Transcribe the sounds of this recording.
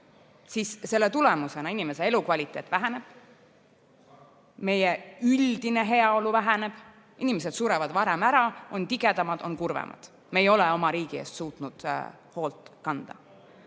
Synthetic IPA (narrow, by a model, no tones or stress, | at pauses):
sisse̞lːe̞t̪ulemuse̞nɑinime̞se̞elukvɑlʲit̪ˑe̞ːt̪ːˑvæɦæne̞b̥ | me̞jeyld̪ine̞ɦe̞ɑo̞luvæɦæne̞b̥ | inimes̬e̞d̪suɾevɑd̪̥vɑɾemæɾɑʔo̞nt̪iɡ̥e̞d̪ɑmɑd̪̥o̞nkurvḛmʔɑ̰d̪̥ | mejo̞leo̞mɑɾiːɡ̥ie̞̰ːst̪suːt̪nud̪̥ | ho̞ːlt̪kɑnd̪̥ɑ̰